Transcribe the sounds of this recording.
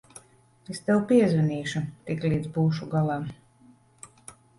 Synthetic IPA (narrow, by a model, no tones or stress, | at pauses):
est̪ɛwpiɛzvɛnʲiːʃut̪ikliːd̪zbuːʃuɡalˠaː